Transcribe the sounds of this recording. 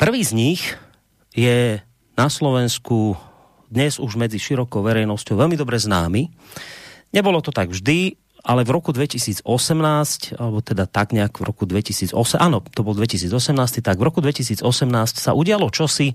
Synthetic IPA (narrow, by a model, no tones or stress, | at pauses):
pr̩ʋiːzɲix | jɛ | naslɔʋɛnsku | d̪ɲɛzuʒmɛd͡ziʃiɾɔkɔʊʋɛɾɛjnɔscɔʊʋɛlmid̪ɔbɾɛznaːmi | ɲɛbɔlɔt̪ɔt̪aɡvʒd̪i | ʔalɛvɾɔkud̪ʋɛcisiːd͡zɔsɛmnaːscalɛbɔt̪ɛd̪at̪aɡɲɛakvɾɔkud̪ʋɛcisiːd͡zɔsɛʔaːnɔt̪ɔbɔld̪ʋɛcisiːd͡zɔsɛmnaːst̪it̪aɡvɾɔkud̪ʋɛcis̬iːd͡zɔsɛmnaːscsaʔuɟɪalɔt͡ʃɔsi